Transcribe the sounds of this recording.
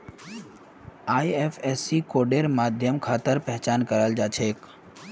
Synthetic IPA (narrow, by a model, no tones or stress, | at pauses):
aːiefʰesikoːɖeɾmaːd̪ʱjəmkʰaːt̪əɾpɛɦt͡ʃaːnkəɾəld͡ʒaːt͡ʃʰeːk